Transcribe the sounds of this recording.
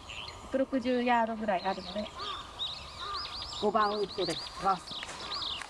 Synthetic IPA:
jokɯ̟ɾo̞kɯ̟ʑɨːjaːd̪o̞ɡɯ̟ɾaiaɾɯ̟no̞d̪e̞ | ɡ̥o̞bãɰ̃ɯt̪ːod̪ekβas

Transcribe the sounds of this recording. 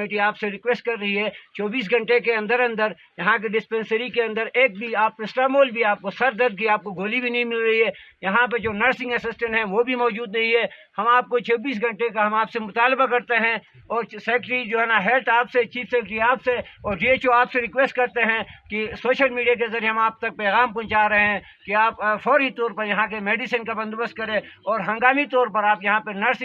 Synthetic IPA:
mɪʈiaːpseɾɪkʋeːsʈ̚kɐɾːɐɦiɦɛːt͡ʃɔːbiːs̬ɡʱɐ̃ɳʈekeɐ̃nd̪əɾɐ̃nd̪əɾ | jɐɦãk̬eɖɪspɛ̃nsəɾikeɐ̃nd̪əɾeːk̚bʱiaːp̚kesʈaːmoːlbʱiaːp̚kosɐɾd̪ɐɾk̬iaːp̚koɡoːlibʱinɐɦĩmɪlɾɐɦiɦɛːjɐɦãp̬ɐɾd͡ʒoːnəɾsɪ̃ŋɡəsɪsʈə̃ɳʈɦɛ̃ʋobʱimɔːd͡ʒuːd̪nɐɦĩɦɛːhɐmaːp̚kot͡ʃʰɐːbiːs̬ɡʱɐ̃ɳʈekaɦɐmaːpsemʊt̪aːlbakɐɾt̪eɦɛ̃ | ɔːɾsɛːkʈɾid͡ʒoːɦɛːnaɦɛːlt̪aːpset͡ʃiːfsɛːkʈɾiaːpseɔːɾɖiːeːt͡ʃoaːpseɾɪkʋeːsʈ̚kɐɾt̪eɦɛ̃kisoːʃəlmiːɖijak̬ezɐɾjeɦɐmaːp̚t̪ɐk̚pɛːɣaːmpɔ̃ːt͡ʃaːɾɐɦeɦɛ̃ | kiaːpfʰɔːɾit̪ɔːɾpɐɾjɐɦãkemeːɖɪsənkabɐ̃nd̪bəst̪̚kɐɾẽɔːɾɦɐ̃ŋɡaːmit̪ɔːɾpɐɾaːpjɐɦãpenɐɾsɪ̃

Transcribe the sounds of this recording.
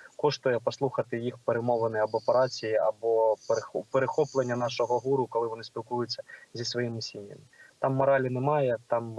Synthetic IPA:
kɔʂt̪ɔjɛpɐslˠuxɐt̪ɨjixpɛɾɛmɔvˠɐnɨɐbɐpɐɾat͡sʲijiabɔpɾxpɛɾɪxɔplˠɛnʲːɐnaʂɐɣɐɦuɾukɐlˠɨʋɐnɨsʲpʲilˠkujʊt͡sʲsʲːɐzʲisʋɐjimɨsʲinʲjɐ̰mʲit̪amːɐɾalʲinɛmajɛt̪am

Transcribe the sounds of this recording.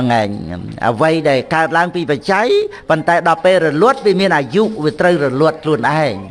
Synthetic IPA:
ŋaɛɲʔə̰ʋəjɗaɛlkaət̪̚laəŋpiːpat͡ɕajpont̪aɛɗɑlpeːlrɔlʊ̆ət̪̚ʋiəmiənʔaːjuʔʋiət̪rəwrɔlʊ̆ət̪̚kʰluənʔaɛŋ

